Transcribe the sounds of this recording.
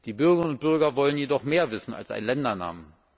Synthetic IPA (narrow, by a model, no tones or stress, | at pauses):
d̥iːbʏɐɡəʁənʊnt̚b̥ʏɐɡɐvɔlənjedɔχmeːɐvɪsn̩a̰lsʔa̰ɪnlɛndɐna̰ːmə